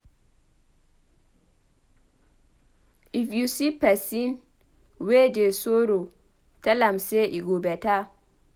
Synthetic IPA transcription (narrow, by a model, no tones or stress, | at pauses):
ʔifjusipasin | weːd͡ʒesoɾo | talamsɛʔiɡobɛta